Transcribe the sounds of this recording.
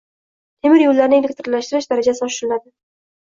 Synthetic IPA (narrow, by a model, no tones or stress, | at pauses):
t̪ʰemɪɾjolːaɾnɪelʲek̚ʲt̪ɪɾlaʃt̪ɪɾɪʃd̪aɾad͡ʒasɪɒʃɪɾɪnad̪ɪ